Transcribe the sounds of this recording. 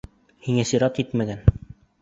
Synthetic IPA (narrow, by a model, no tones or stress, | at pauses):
hiŋæsiɾɑt̪it̪mæɡæn